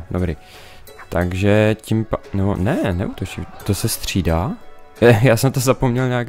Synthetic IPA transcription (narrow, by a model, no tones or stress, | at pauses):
dobɾɪ | t̪aɡʒɛcimpanɛbo̰nɛnɛ̰ʔut̪ot͡ʃimt̪osɛst̪r̝̥iːdaː | jaːsɛmt̪ozapomɲɛlɲeak